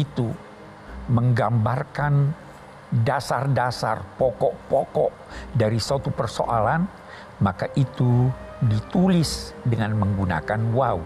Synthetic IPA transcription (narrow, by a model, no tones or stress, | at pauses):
it̪u | məŋɡambarkan | dasardasa̰rpɔkɔʔpɔkɔʔdaɾisat̪upərso̰ʔalan | makaʔit̪udit̪ulɪsdəŋanməŋɡuna̰kanwau